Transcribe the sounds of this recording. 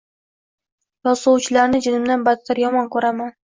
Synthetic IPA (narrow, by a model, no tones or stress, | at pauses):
jɒsowt͡ʃʰɪlaɾnɪd͡ʒɪnɪmd̪anbat̪t̪ʰːaɾjɒmɒnkʰɵɾaman